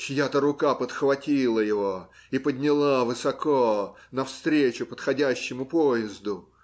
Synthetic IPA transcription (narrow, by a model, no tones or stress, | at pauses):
t͡ɕjat̪əɾʊkapət̪xvɐtʲilˠəjɪvo | ipəd̪ʲnʲɪlˠavɨsɐko | nɐfst̪ɾʲet͡ɕʊpət̪xɐdʲæɕːɪmʊpojɪzd̪ʊ